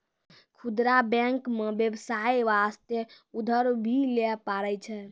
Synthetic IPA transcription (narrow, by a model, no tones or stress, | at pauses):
kʰud̪ɾabɛ̃ŋkmebjebsajʋast̪je | ud̪ʱəɾbʱilɛpaɾɛt͡ʃʰɛ